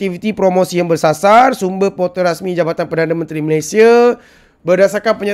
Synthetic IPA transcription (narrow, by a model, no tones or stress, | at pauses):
t̪ifit̪ipɾomosijaŋbərsasarsumbəhpot̪əɾasmĩd͡ʒabat̪anpərdanamənt̪ɾiməlajsia | bərdasarkanpəɲa